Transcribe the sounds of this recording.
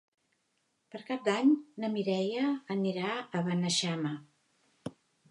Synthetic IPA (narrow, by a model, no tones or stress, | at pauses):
pəɾkap̚d̪aɲnəmiɾɛjəːniɾaəβənəʃamə